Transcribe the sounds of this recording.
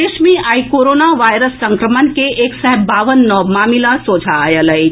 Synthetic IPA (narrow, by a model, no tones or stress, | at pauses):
eʃmĩʔaːikoːɾoːnaʋaːjɾəsːə̃ŋkɾəmənkeeːksəɦbaːʋənːɔmaːmilasoːd͡ʒʱajələj